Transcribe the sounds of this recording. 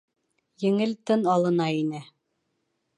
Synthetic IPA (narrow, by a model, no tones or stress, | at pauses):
jɘ̆ŋɘlt̪ɤnɑlˠɤ̆nɑinɘ